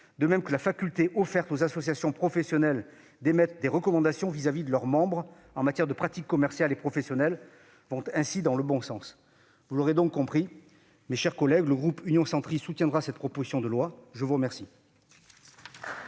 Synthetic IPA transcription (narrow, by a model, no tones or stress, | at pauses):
d̪əmɛmkəlafakʲylt̪eʔɔfɛʁt̪ozasɔsjasjɔ̃pχɔfɛsjɔnɛl | d̪emɛt̪d̪eʁəkɔmɑ̃d̪asjɔ̃vizavid̪əlœʁmɑ̃bʁ | ɑ̃mat̪jɛʁd̪əpχat̪ikːɔmɛʁsjalepχɔfɛsjɔnɛl | vɔ̃t̪ɛ̃sid̪ɑ̃ləbɔ̃sɑ̃s | vuloʁed̪ɔ̃kːɔ̃pχi | meʃɛʁkɔlɛɡləɡʁupynjɔ̃sɑ̃t̪χissut̪jɛ̃nd̪ʁasɛt̪pχɔpozisjɔ̃d̪əlwaʒəvuʁəmɛʁsi